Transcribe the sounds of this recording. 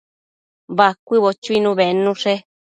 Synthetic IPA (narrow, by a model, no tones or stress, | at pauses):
βakʷiβot͡ʃuinũβenũʂe